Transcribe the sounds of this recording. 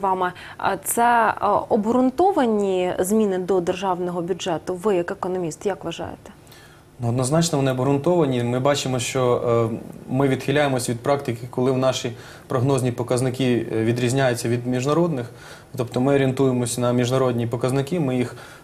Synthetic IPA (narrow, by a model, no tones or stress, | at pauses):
ʋɑmɛ̰ | t̪sɛɔbɾʊnt̪ɔʋɐnʲizmʲinɪd̪ɔd̪erʒɑwnɔɦɔbʲʊdʒɛt̪ʊʋɪjɐkekɔnɔmʲist̪jɐkʋɐʒɑ̰jḛt̪ɛ̥ | nuɔd̪nɔznɑt͡ʃnɔʋɔnɪɔbɾʊnt̪ɔʋɐnʲimɪbɑt͡ʃɪmɔʃt͡ʃɔ | mɪʋʲid̪xʲɪlʲajemɔsʲʋʲid̪̚pɾɑk̚t̪ɪkɪkɔlˠɪwnɑʃi | pɾɔɦnɔzʲnʲipɔkɐznɪkiʋʲid̪ɾʲizʲnʲajʊt͡sʲːɐʋʲid̪mʲiʒnɐɾɔd̪nɪx | t̪ɔpt̪ɔmɪɔɾʲint̪ujemɔsʲnɐmʲiʒnɐɾɔd̪ʲnʲipɔkɐznɪkimɪjix